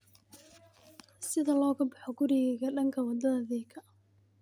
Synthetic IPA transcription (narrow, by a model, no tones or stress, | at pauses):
sɪðɐlɔːɣɐbɑħɔɡʊɾɪɣɛɣɐɖɐŋkʰɐwɑd̪ɐðɐðiːkʰɐ